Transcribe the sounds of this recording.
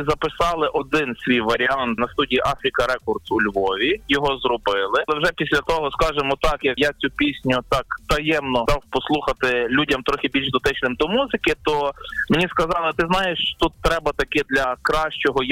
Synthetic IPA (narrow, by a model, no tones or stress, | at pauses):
zɐpɪsɑlˠɪʔɔd̪ɪnsʲʋʲijʋɐɾʲiɑnt̪nɐst̪udʲijiʔɑfɾʲikɐɾɛkɔrd̪sulʲʋɔʋʲijɔɦɔzrɔbɪlˠɪlˠɛwʒɛpʲisʲlʲɐt̪ɔɦɔskɑʒemɔt̪ɑkjɐkjat͡sʲupʲisʲnʲʊt̪ɑkt̪ɐjɛmnɔd̪ɑwpɔslˠuxɐt̪ɪlʲudʲɐmt̪ɾɔxʲɪbʲilʲʃd̪ʊt̪ɪt͡ʃnɪmd̪ɔmuzɪkɪt̪ɔmenʲiskɐzɑlˠɪt̪ɪznɑjeʃt̪ut̪ːɾɛbɐt̪ɐkɛd̪lʲɐkɾɑʃt͡ʃɔɦɔj